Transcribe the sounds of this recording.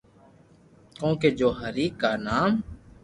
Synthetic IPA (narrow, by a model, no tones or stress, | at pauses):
kõːkeːd͡ʒoːɦəɾiːkːaːnaːm